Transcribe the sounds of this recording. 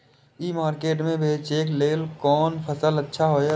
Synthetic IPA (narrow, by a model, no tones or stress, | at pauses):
iːmaːɾkeːʈmẽbʱeːt͡ʃeːkleːlkɔːnpʰəsələtːʃʰaɦoː